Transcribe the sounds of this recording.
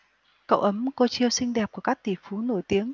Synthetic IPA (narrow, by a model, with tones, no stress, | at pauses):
kə̰˧˨wʔə˨˦mko˧˩t͡ɕi˧əwsï˧ŋ̟ɗɛ˨˩p̚ku˧˩əkaː˦˥k̚t̪i˧˩fu˨˦no˧˩jt̪i˨˦əŋ